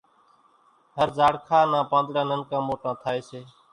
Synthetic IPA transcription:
ɦəɾzaːɽkʰaːnãːpãːnd̪ɽãːnənkãːmoːʈãːt̪ʰaːeːseː

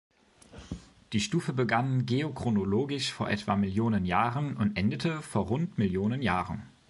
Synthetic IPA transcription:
d̥iːʃtuːfəbəɡanɡeokʁ̥onoloːɡɪʃfoːɐʔɛ̰tv̥a̰mɪljoːnənjaːʁənʊntʔɛndətʰəfoːɐʁʊntmɪljoːnənjaːʁən

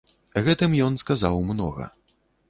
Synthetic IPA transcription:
ɣɛt̪ɨmjɔnskazawmnɔ̰ɣɐ̰

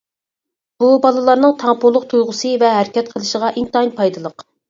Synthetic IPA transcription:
b̥ubɑlˠɨlˠɑɾnɨŋt̪ʰɑŋpulˠʊq̚t̪ʰujʁʊsɨvɛɦæɾɪkʲɛt̪̚qʰəlˠɨʃəʁɑʔint̪ɑnpʰɑjd̪ɨlˠəq

